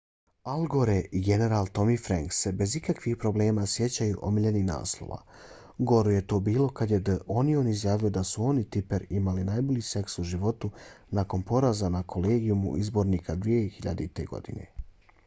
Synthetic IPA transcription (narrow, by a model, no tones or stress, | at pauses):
alɡoɾeʔiɡe̞ne̞ɾalˠt̪o̞mifɾaŋkse̞be̞zikakʋixpɾo̞ble̞ːmasje̞t͡ɕajuʔo̰miʎenina̰ːslˠo̰ʋa̰ | ɡo̞ɾuje̞t̪o̞ːbiːlo̞kad̪je̞d̪əʔo̞nio̞nizjaːʋio̞d̪asuo̞nit̪ipeɾimalinajbo̞ʎise̞ksuʒiʋo̞t̪unako̞npo̞ɾazanakʰo̞leːɡijumṵʔizbo̞ɾniːkad̪ʋijexiʎa̰d̪et̪e̞ɡo̞̰d̪ḭnḛ